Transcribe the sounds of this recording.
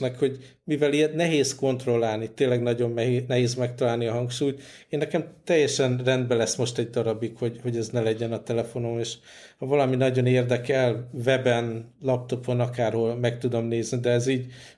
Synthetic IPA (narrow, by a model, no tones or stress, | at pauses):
nɛkho̞ɟ | mivɛliɛt̪nɛɦeːsko̞nt̪ro̞lːaːlnit̪eːnlːɛɡnɒɟo̞mːɛɦenɛɦeːzmɛk̚t̪ɒlaːlniɒɦɒŋkʃuːjt̪eːnːɛkɛmt̪ɛjːɛʃɛnrɛnd̪bɛlɛsːmo̞ʃt̪ɛɟ̚d̪ɒɾɒbikho̞ɟho̞ɟɛznɛlɛɟɛnɒt̪ɛlɛfo̞no̞meːʃ | hɒvɒlɒminɒɟo̞neːrd̪ɛkɛlvɛbɛnlɒp̚t̪o̞po̞nɒkaːrho̞lmɛkt̪ud̪o̞mneːznid̪ɛːziːɟ